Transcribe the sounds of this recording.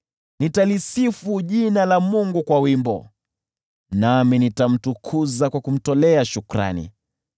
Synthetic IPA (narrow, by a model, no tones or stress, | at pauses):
nitalisifuʄinalamuŋɡukwawimbɔ̰ | naminitam̩tukʰuzakwakum̩tɔlɛaʃukɾa̰nḭ